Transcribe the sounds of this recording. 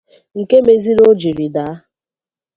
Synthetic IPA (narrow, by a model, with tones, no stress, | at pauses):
ŋ̩˨ke˦me˨zi˦ɾo˦d͡ʒi˨ɾi˨da˨˦